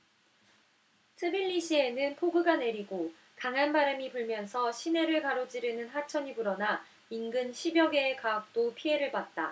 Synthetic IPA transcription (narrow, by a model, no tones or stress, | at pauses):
sʰɯbiʎːiɕʰie̞nɯnpʰoɡɯɡane̞ɾiɡo | kaŋɦanbaɾɯmipuɭmjʌnsʰʌɕʰine̞ɾɯɭkaɾod͡ʑiɾɯnɯnɦat͡ɕʰʌɲibuɾʌna | inɡɯnɕʰibjʌɡe̞ːkaːk̚t͈opʰie̞ɾɯɭpat̚t͈a